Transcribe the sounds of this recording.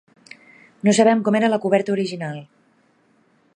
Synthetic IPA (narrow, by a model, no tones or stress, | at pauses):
nosəβ̞ɛmkɔmeɾələkuβɛɾt̪əuɾiʒinalˠ